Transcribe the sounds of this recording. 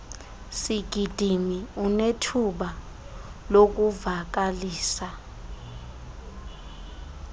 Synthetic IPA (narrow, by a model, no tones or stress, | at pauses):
siɡ̥ʱid̥ʱimiunetʰuɓa | lok̬uvak̬aliːsa